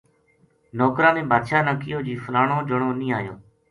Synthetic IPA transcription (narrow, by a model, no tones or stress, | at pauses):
nɔːkɾãːmẽːbaːd̪ʃaːnaːkɪjoːd͡ʒiːfəlaːɳõːd͡ʒəɳoːnĩːaːjõ̰ː